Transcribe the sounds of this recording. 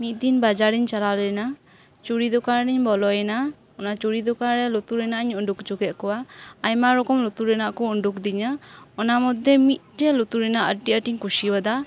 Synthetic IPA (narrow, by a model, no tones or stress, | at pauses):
mit̪̚ˀd̪inbad͡ʒaɾiɲt͡ʃalalɔjɛna | t͡ʃuɽid̪ɔkaɾnɛɲbɔlɔjɛna | ɔnat͡ʃuɽid̪ɔkaɾɾɛlɔt̪uɾɛnaʔɲɔɳɖukd͡ʒukɛt̪̚kɔwaajmaɾɔkɔmlɔt̪uɾɛnaʔkɔɔɳɖuk̚d̪iɲaɔnamɔd̪ɛmit̪̚ʈɛlɔt̪uɾɛnaʔəʈiʔəʈiɲkuʃibad̪a